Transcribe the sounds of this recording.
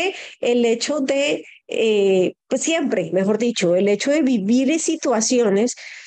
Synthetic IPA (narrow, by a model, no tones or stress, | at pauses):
eele̞t͡ʃo̞ðe̞epwesːje̞mpɾe̞me̞xo̞ɾðit͡ʃo̞ele̞t͡ʃo̞ðe̞βiβiɾensit̪wasjo̞ne̞s